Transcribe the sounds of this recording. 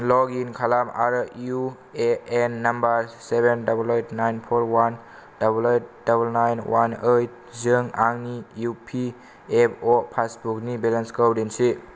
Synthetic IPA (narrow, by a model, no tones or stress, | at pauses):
lɔɡinkʰalama̰ɾju | eenːɐmbaɾsebendabulejtʰnajnpʰoɾwan | d̥abulejt̚dabulnajnwʔanejt̚zɯŋaŋnijupʰi | epʰopʰasbuknibelanskəwdensi